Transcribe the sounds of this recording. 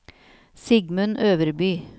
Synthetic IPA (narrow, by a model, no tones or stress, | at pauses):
sɪɡmʉnʔøːʋəɾbyː